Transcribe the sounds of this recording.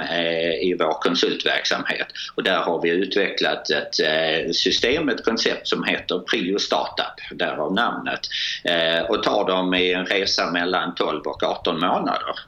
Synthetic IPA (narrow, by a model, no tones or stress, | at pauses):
ɪvoːɾkʰɔnsɵlt̪væ̰ɾksa̰mhḛːt̪ɔd̪æɾhaɾvɪʉ̟ːt̪vɛklat̪ɛt̪sʏst̪eːmət̪kʰɔnsɛp̚t̪sɔmheːt̪əɾpʰɾiːʊst̪ɑ̰ːʈapd̪æːɾavnamnə̰t̪ | ɔt̪ʰɑːɖɔmɪɛnɾeːsamɛlːant̪ʰɔlvɔkɑːt̪ːɔnmoːna̰d̪ə̰ɾ